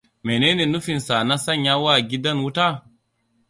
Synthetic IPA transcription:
me˨neː˦ne˨nu˦fi˨nsa˨na˦sa˦ɲja˦wa˦˨ɡi˦da˦nwu˦ta˦

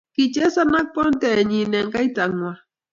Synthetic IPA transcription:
ki˨t͡ʃe˦sa˦na˦k̚po˦nt̪e˨ɲi˨ne˨ŋka˦jta˨ŋwa˨

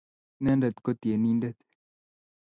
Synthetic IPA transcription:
nɛ˦ndɛ˨t̪kɔ˦t̪je˨ni˦ndɛ˦˨t̪

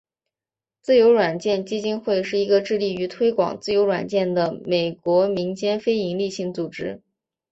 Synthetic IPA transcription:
t͡sɹ̩˥˩jo˧˥ʊɻwa˨˩nt͡ɕjɛ˥˩nt͡ɕi˥t͡ɕi˥nxwe˥˧ɪʂɻ̩˥˩i˧˥ɡə˧ʈ͡ʂɻ̩˥˧li˥˩y˧˥t̪ʰwe˥ɪkwɑ̰˨˩ŋt͡sɹ̩˥˩jo˧˥ʊɻwa̰˨˩nt͡ɕjɛ˥˩nd̪ə˩me˨˩ɪkwɔ˧˥mi˧˥ŋt͡ɕjɛ˥nfe˥ɪi˧˥ŋli˥˧ɕi˥˩ŋt͡su˨˩ʈ͡ʂɻ̩˥

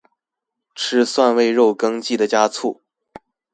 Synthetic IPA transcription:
ʈ͡ʂʰɻ̩˥swa˥˧nwe˥˧ɪɻo˥˩ʊkɤ˥ŋt͡ɕi˥˩d̪ə˩t͡ɕja˥t͡sʰu˥˩

